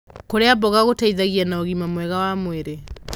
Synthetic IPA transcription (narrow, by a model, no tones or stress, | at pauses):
koɾeabɔɣaɣotaiðaɣianaoɣimamwɛɣawamweɾe